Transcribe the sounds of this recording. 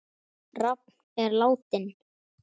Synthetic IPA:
rap̚n̥ɛɾlaːwt̪ɪn

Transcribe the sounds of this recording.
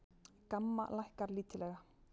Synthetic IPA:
kamːa̰lajhkaɾliːt̪ɪlɛɣa

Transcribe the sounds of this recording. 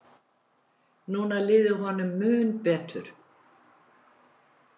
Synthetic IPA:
nuːnalɪːðʏɦɔnʏmːʏːnpɛːt̪ʏ̰ɾ̥

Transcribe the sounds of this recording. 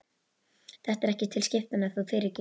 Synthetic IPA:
θɛht̪ɛɾɛhcɪt̪ʰɪlscɪft̪ʏnaθufɪːɾɪcɪ

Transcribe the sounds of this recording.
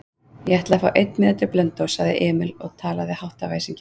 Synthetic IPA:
jɛɛht̪laðfawʔejt̪nmɪnɪt̪ɪɾplœnt̪owsaɣðɪ̰ʔɛːmɪlɔɣt̪ʰaːlaðɪhawht̪avaːjsiɲcɪ

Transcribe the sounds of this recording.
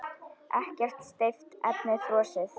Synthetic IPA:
ʔɛhcɛr̥t̪st̪ejft̪ɛ̰p̚nɪθɾɔːsɪθ

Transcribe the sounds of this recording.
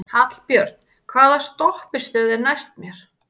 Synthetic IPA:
hat̪l̥pjœɾt̪n | kʰvaːðast̪ɔhpɪ̥st̪œːðɪɾnajst̪mjɛɾ̥

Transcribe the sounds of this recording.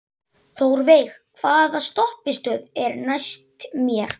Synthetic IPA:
θoːwɾvejxkʰvaːðast̪ɔhpɪst̪œːðɛɾnajst̪mjɛɾ̥

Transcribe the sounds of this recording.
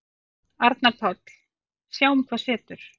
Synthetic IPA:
aɾt̪napʰɔt̪l̥ | sjaːwʏmkʰvasɛːt̪ʏɾ̥

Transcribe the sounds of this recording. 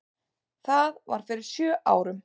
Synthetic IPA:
θaɣva̰ɾ̥fɪɾɪɾ̥sjœːʔaːwɾʏm

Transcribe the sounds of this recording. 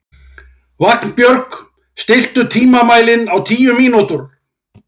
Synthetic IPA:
vakn̥pjœɾk | st̪ɪl̥t̪ʏt̪ʰiːmamaːjlɪnawt̪ʰiːjʏmiːnut̪ʏɾ̥

